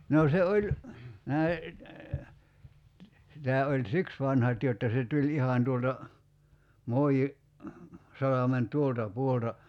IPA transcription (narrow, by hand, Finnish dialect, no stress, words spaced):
noː se olʲ næi si tæː olʲ siks ʋɑnhɑt jotːɑ se tulʲ ihɑn tuoltɑ moiji sɑlɑmen tuoltɑ puoltɑ